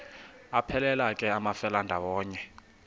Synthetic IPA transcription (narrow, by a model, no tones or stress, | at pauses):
apʰɛlɛlakʼɛamafɛlandʱawɔːɲɛ